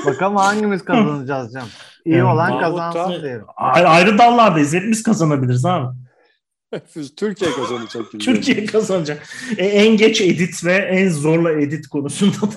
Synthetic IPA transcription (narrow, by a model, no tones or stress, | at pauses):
bakamhaɲɟimizkaanɯd͡ʒazd͡ʒam | ijiolˠankʰazand̪ejɾʲajajɾɯd̪anlˠaɾd̪aizlʲɛt̪̚miz̥kʰazanabilʲiɾzaːmɛn | t̪ʰyɾcijɛkazanad͡ʒakt̪ʰyɾcʰijeɛjɛkʰazanɯd͡ʒakɛænɟɛt͡ʃe̞d̪it̪ʰvɛʔænzoɾlˠaed̪it̪kʰo̞nusund̪ad̪